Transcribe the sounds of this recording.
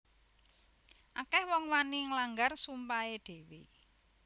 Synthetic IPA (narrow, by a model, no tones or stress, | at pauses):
ʔakɛhwɔŋwaniŋlaŋɡarsumpaed̥e̤wḭ